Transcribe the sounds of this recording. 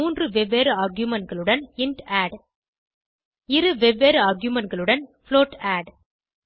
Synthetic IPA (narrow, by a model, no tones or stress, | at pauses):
uːndrɯʋɛʋeːɾaːɾɡjʊmɐnɡɐɭɯɽɐnɪɳʈaːɖ | ɪɾɯʋɛʋeːɾaːɾɡjʊmɐnɡɐɭɯɽɐnfɭoːʈaːɖ